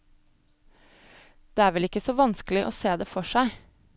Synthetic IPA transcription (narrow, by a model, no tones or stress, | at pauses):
d̪̥eːæːɾʋɛlɪkəsɔːʋɑnsklɪʔo̰ːseːd̪eːfɔʃæɪ